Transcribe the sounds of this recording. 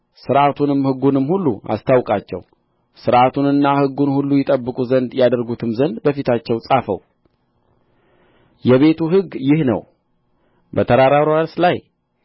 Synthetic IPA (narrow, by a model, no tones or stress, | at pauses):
sɨɾʔat̪ʰunɨmhɨɡːunɨmːhulːṵa̰st̪ʰawkʼat͡ʃːɛ̰w | sɨɾʔat̪ʰunɨnːahɨɡːunhulːujɛt̪ʼəbːɨkʼuzənd̪jad̪əɾɡut̪ʰɨmzənd̪bəfit̪ʰat͡ʃːɛwsʼafə̰w | jɛβe̞t̪ʰuɦɨɡjɪhnə̰w | bət̪ʰəɾaɾaɾaɾslaj